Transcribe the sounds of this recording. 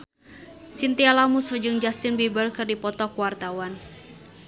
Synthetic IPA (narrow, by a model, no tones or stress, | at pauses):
sint̪ialamusud͡ʒɨŋd͡ʒast̪ɪnbibəlkɨrdipɔt̪ɔkuwart̪awan